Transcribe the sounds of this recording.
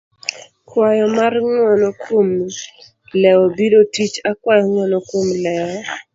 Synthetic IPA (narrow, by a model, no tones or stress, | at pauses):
kwajɔmarŋwɔnɔkʰom | lɛɔbidotit͡ʃakwajɔŋwɔnɔkomlɛɔ